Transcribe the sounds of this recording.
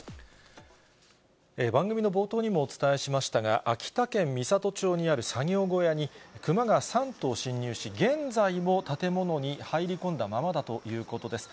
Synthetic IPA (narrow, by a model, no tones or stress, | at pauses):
e̞bãŋɡɯ̟mʲinobo̞ːt̪o̞ːɲ̟imo̞ːt͡sɨ̥t̪ae̞ɕimaɕi̥t̪aɡa̰ʔakʲi̥t̪akẽ̞mmʲisat̪o̞t͡ɕo̞ːɲ̟iaɾɯ̟saŋʲo̞ːɡo̞jaɲ̟ikɯ̟maɡasãnt̪o̞ːɕĩɲ̟ːɨːɕiɡẽ̞nd͡zaimo̞t̪at̪e̞mo̞no̞ɲ̟ihaiɾʲikõ̞nd̪amamad̪at̪o̞jɯ̟ːko̞t̪o̞d̪e̞sɨ̥